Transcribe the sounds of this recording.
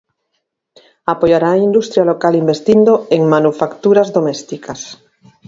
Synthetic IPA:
apojaɾaːind̪ust̪ɾjalokalimbest̪ind̪oeŋmanufakt̪uɾazðomest̪ikʰas

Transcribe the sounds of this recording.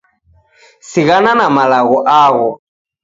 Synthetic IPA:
siɣananamalaɣɔʔaɣɔ

